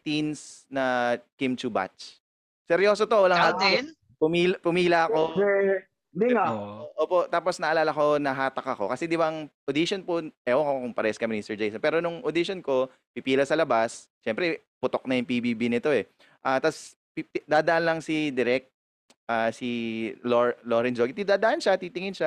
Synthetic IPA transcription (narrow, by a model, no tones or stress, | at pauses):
t̪insnɐkɪmt͡ʃuba̰t͡ʃ | sɛɾjo̞ːsot̪owɐlaŋat̪ | pʊmiːlpʊmiːlɐʔɐko | d̪iŋaʔoʔoːpo̞ʔt̪aːposnɐʔɐlaːlɐko̞nɐɦaːt̪ɐkɐko̞̰kɐsɛd̪ɪbɐŋʔod̪iʃonpoʔɛʔokokʊŋpɐɾɛskɐmɪnist̪ɛɹd͡ʒejsɐnpɛːɾonʊŋʔod̪iʃonko̞ | pipiːlɐsɐlɐbas | ʃɛmpɾɛ | pʊt̪ok̚nɐjʊŋpibibinɪt̪o̞ɛ | ʔaːt̪as | pd̪aːd̪ɐʔanlɐŋsid̪ɪɾɛk̚t̪̚ | ʔaːsiloɹloɾɛnd͡ʒoɡit̪id̪aːd̪ɐʔanʃat̪iːt̪ɪŋɪnʃa